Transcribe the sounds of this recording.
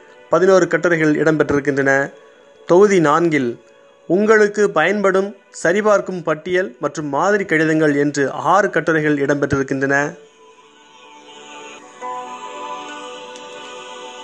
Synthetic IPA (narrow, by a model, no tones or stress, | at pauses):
pɐðɪnoːɾɯkɐʈːɐɾɐɪɣɐɭɪ̰ɽɐmpɐʈrɪɾɯk̬ːɪndrɐnɐ | t̪ɔɣɯðinaːnɡɪl | ʊŋɡɐɭɯkːɯpɐjɐnpɐɽɯm | sɐɾɪpaːrkɯmpɐʈːɪjɐlmɐʈrɯmːaːðɪɾikːɐɻɪðɐŋɡɐɭɛndrɯʔaːɾɯkɐʈːɐɾɐɪɣɐɭɪɽɐmpɐʈːrɪɾɯkːɪndrɐnɐ